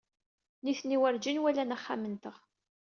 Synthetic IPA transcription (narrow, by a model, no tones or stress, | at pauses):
niθniwəɾd͡ʒinwælænaχːa̰mənt̪əʁ